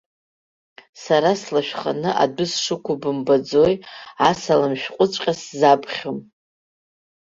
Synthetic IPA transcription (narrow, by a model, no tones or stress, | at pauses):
saɾaslaʃᶣχanɨʔa̰dʊsʂɨkʷʰʊbɨmbad͡zojasalamʃᶣqʷʼʊt͡ʃʷʼqʲʼaszabʰʼχʲom